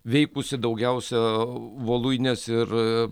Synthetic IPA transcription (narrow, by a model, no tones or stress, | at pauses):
ʋʲɛɪkʊsʲɪd̪ɐʊɡʲɛʊsʲɛʋoːlˠuɪnʲɛsɪr